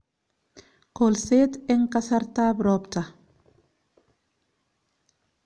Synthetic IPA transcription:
kolset̪eŋkasaɾt̪abɾɔpt̪a

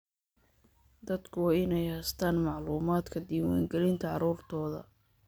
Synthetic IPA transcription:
d̪ɐd̪kʰʊwɑːɪnɛjhɛjst̪ʰaːnmɑʕluːmaːd̪kʰɐd̪iːwa̰ːŋɡɛlɪnt̪ʰɐʕɑ̰ɾuːrt̪ʰɔːðɐ̰

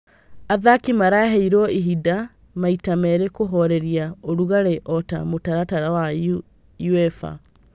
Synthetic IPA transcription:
aðakimaɾaɦɛiɾɔiɦida | maitamɛɾekoɦɔɾɛɾiaoɾuɣaɾeʔɔta̰motaɾataɾawau | juɛfa̰

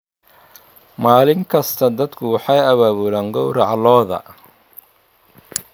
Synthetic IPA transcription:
maːlɪŋkʰɐst̪ʰɐd̪ɐd̪kʰʊwɑħɑjɐβaːβulaːŋɡɔwrɑʕlɔːðɐ̰

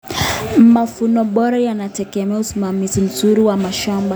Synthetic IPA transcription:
mafunɔɓɔɾajanatɛɡɛmɛausimamizim̩zuɾiwamaʃamba

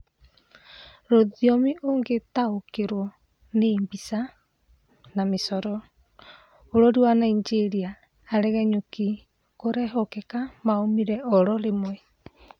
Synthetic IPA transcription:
ɾoðiɔmiʔoŋɡetaokeɾwɔ | nembisa | namesɔɾɔ | oɾɔɾiwanaiɲd͡ʒeɾiaː | ɾɛɣɛɲoki | koɾɛɦɔkɛkamaomiɾɛɔɾɔɾemwɛ

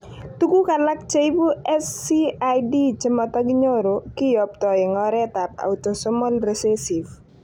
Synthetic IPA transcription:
tukukalak̚t͡ʃeibuɛsːiajdit͡ʃɪmɔtaɡiɲoɾokɪjɔp̚tɔɪŋɔɾɛtapa̰utɔsɔmɔlɾɛsesiv

